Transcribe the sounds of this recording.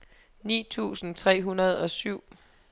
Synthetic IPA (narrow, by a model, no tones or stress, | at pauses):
nḭːt͡sʰṵːsn̩t͡sʰʁɛ̰ːɦunɐð̞ˠɒ̽syʊ̰